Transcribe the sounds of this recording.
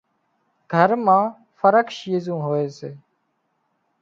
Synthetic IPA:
ɡ̥ʱəɾmãː | fəɾəkʃjeːzũːɦoːeːseː

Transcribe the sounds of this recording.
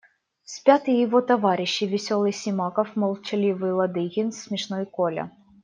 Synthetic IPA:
sʲpʲat̪ɨjɪvɔt̪ɐvaɾʲɪɕːivʲɪsʲɔlˠɨjsʲimɑkɐfmɐlˠt͡ɕɐlʲivɨlˠɐd̪ɪɣʲinsʲmʲiʂnɔjkɔlʲɐ̰

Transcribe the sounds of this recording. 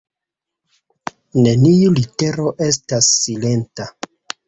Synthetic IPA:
ne̞niulite̞ɾo̞ʔe̞s̬tasːile̞nta

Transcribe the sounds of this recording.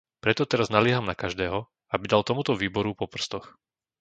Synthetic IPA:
pɾɛt̪ɔt̪ɛɾaznalɪɛɦamnakaʒd̪ɛːɦɔ | abid̪alˠt̪ɔmut̪ɔʋiːbɔɾupɔpr̩st̪ɔx

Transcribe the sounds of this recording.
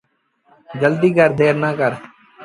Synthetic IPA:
d͡ʒəld̪iːɡəɾd̪eːɾnãːkəɾ

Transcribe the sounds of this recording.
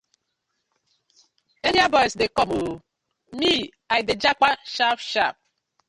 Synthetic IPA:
eɾjabɔjsdekɔmo | mi | ajded͡ʒakʷaʃapʃap̚

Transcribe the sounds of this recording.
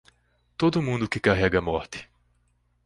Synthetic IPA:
t̪od̪ʊmũnd̪ʊkɪkaɦɛɡɐmɔɾt̪ɪ̥

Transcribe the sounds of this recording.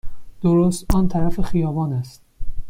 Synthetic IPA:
d̪̥oɾost̪ɒnt̪ʰæɾæfexijɒːvɒːnæst̪̚

